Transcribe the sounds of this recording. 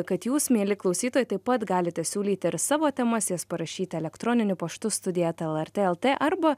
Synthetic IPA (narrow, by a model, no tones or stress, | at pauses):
kɐt̪juːsmʲeːlʲɪklˠɒʊsʲiːt̪oːjɪt̪ɐɪpɐt̪ɡɑːlʲɪt̪ʲɛsʲuːlʲiːt̪ʲɪɾsɑːʋoːt̪ʲɛmɐsjospɐɾɐʃʲiːt̪ʲɛlʲɛkt̪ɾoːnʲɪnʲʊpɐʃt̪ʊst̪ʊd̪ʲɪjɛt̪ɛlˠɛɾt̪ʲeːɛlˠt̪ʲeːʔɐɾbɐ